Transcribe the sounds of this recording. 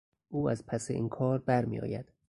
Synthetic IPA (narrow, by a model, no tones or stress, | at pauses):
ʔuːæzpʰæseʔḭːnkʰɒːɾbæɾmḭjɒ̰ːjæd̪̥